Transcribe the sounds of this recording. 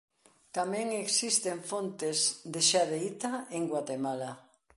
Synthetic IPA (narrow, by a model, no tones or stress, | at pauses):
t̪amɛ̃ŋeksist̪eɱfont̪ezðeʃaðeit̪aeŋɡwat̪emala